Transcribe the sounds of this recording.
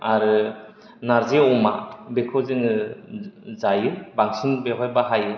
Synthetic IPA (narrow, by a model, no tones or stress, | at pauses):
aɾɯ | naɾzeɔma̰bekʰɔzɯŋɯ | zajɯbaŋsinbeɦɔjbaɦajɯ